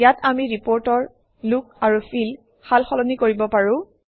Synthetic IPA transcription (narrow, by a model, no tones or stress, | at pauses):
jatamiɹipɔɹtɔɹ | luk̚aɹufʰil | xalxɔlɔnikoɹibɔpaɹʊ̃